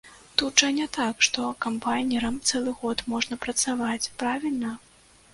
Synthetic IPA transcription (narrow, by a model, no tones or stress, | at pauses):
t̪utʐɐnʲɛt̪akʂt̪ɔkampajnʲɛɾɐmt̪sɛlˠɨɣɔt̪mɔʐnɐpɾɐt̪savat͡sʲpɾavʲilʲnɐ